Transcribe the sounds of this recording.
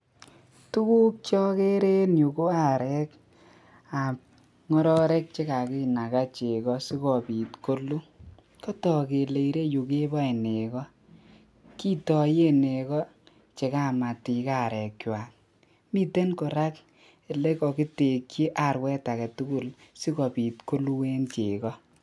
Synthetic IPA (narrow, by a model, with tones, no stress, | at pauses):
tu˦ku˦k̚t͡ʃɔ˦ke˦ɾe˦nju˨ko˦a˨ɾɛ˦k | a˨p̚ | ŋɔ˦ɾɔ˦ɾɛ˦k̚t͡ʃe˦ka˨ki˦na˨ka˦t͡ʃe˨kɔ˦si˦kɔ˨pi˨tko˦lu˦ | kɔ˦tɔ˨ke˨le˨i˨ɾe˦ju˨ke˦ba˦e˨ne˨kɔ˦ | ki˦tɔ˨je˦ne˨kɔ˦ | t͡ʃe˨ka˦ma˨ti˨ka˦˨ɾɛ˨kwa˨k̚ | mi˦te˦nkɔ˨ɾa˦k | e˨le˦kɔ˨ki˦te˨kt͡ʃi˦ʔa˦˨ɾwɛ˦ta˨kɛ˨tu˦ku˦˨lsi˦kɔ˨pi˨tko˦lu˦we˦nt͡ʃe˨kɔ˦